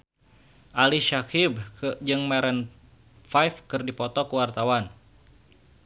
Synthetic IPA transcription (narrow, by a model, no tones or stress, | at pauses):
ʔaliʃakibd͡ʒɨŋmɛɾɛn | fajfkɨrdipɔt̪ɔkəwart̪awan